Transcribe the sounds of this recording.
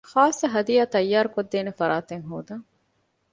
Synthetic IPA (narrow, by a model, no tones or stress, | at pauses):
xaːsːɐɦɐd̪ijaːt̪ɐjːaːɾukod̪ːeːnefɐɾaːt̪eŋɦoːd̪ɐŋ